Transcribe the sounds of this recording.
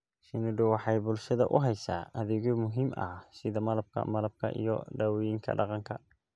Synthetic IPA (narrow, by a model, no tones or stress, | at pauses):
sɪnʊɖʊwɑħɑjbʊlʃɐðɐʔʊ̰ɦɛjsaːʔɐðɪɣɔmʊɦiːmʔɐ̰sɪðɐmɐlɐbkʰɐ̰mɐlɐb̚kʰɐ̰ʔḭjɔ̰ɖɐwɔjɪŋkʰɐ̰ɖɑqɑŋkʰɐ